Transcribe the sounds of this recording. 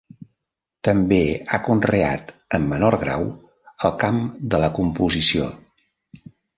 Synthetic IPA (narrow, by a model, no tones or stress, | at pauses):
t̪əmbeakunreat̪əmːənoɾɣɾa̰w | əlˠkamd̪ələkumpuzisio̰